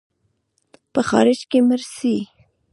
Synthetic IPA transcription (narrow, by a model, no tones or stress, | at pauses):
pəxɑ̰ɾɪd͡ʒkeməɾsi